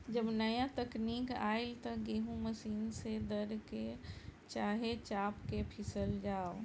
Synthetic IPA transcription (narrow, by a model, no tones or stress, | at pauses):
d͡ʒəbnəjãt̪əkniːka̰ːɪlt̪əɡeɦũməsiːnsed̪əɾket͡ʃaːɦet͡ʃaːpkepʰisəld͡ʒaːo